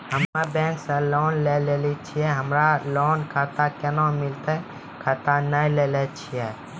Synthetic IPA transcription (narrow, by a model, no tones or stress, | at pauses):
həmabɛ̃ŋksə̃lɔnlelelit͡ʃʰiɛɦəmɾalɔnkʰat̪akɛnɔmilt̪ə | kʰat̪anəjlelɛt͡ʃʰijɛ